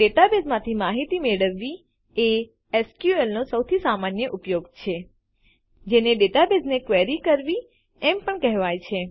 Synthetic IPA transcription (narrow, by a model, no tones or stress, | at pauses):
ɖeʈabezmãt̪ʰimaɦit̪imeɭəʋːi | e | ɛskjuelnosəwt̪ʰisamanjəʔʊpjoɡt͡ʃʰe | d͡ʒeneɖeʈabeznekʋeɾikəɾʋi | ɛmpəɳkɛɦʋajt͡ʃʰe